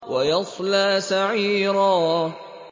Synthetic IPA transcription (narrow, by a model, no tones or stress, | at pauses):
wajɑsˤlaːsaʕiːɾaː